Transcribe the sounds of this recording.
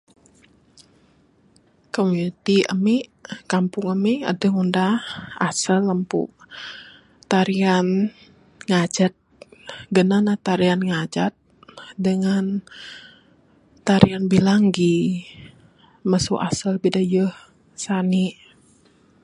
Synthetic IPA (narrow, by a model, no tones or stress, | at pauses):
komunit̪iʔə̰miʔkampʊŋəmia̰dəŋundahasəlːəmpṵʔ | t̪aɾian | ŋad͡ʒat̪̚ɡənanaht̪aɾianŋad͡ʒat̪̚dəŋan | t̪aɾianbilaŋɡi | məsuʔa̰səlbidajəh | saniʔ